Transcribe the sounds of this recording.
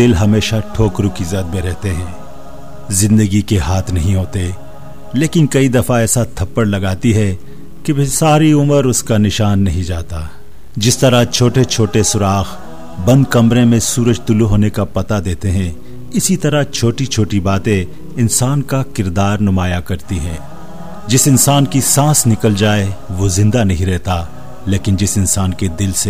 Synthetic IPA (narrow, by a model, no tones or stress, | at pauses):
d̪ɪlɦɐmeːʃaʈʰoːkɾukizɐd̪̚meɾɛɦt̪eɦɛ̃ː | zɪ̃nd̪əɡikeɦaːt̪ʰnɐɦĩɦoːt̪e | leːkɪnkɐid̪ɐfaɛːsat̪ʰɐpːəɽlɐɡaːt̪iɦɛ | kebsaːɾiʊməɾʊskanɪʃaːnːɐɦĩd͡ʒaːt̪aː | d͡ʒɪst̪ɐɾat͡ʃʰoːʈet͡ʃʰoːʈesʊɾaːx | bɐ̃nd̪kɐmɾẽmẽsuːɾəd͡ʒt̪ʊluɦoːnekapɐt̪ad̪eːt̪eɦɛ̃ | ɪsit̪ɐɾat͡ʃʰoːʈit͡ʃʰoːʈibaːt̪ẽ | ɪnsaːnkakɪɾd̪aːɾnʊmaːjakɐɾt̪iɦɛ̃ː | d͡ʒɪsɪnsaːnkisãːsnɪkəld͡ʒaːeʋoːzɪ̃nd̪anɐɦĩɾɛɦt̪a | leːkɪnd͡ʒɪsɪnsaːnked̪ɪlse